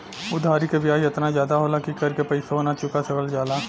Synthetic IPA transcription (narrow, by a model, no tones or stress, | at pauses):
ʊd̪ʱaːɾikebjaːjɐt̪nazjaːd̪aɦoːlakikɐɾkepɐɪsaɦoːnat͡ʃʊkat͡ʃɐɡəld͡ʒaːlaː